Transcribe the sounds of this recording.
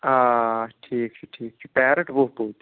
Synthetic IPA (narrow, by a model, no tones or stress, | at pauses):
aʈʰiːkt͡ʃʰuʈʰiːkt͡ʃʰupɛːɾə̃ʈboɦpoːt̪i